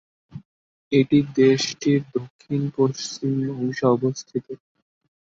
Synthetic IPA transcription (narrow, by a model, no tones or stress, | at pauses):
eʈid̪eʃʈʰiɾd̪okʰːinpoʃt͡ɕimõwʃaɔbost̪ʰit̪o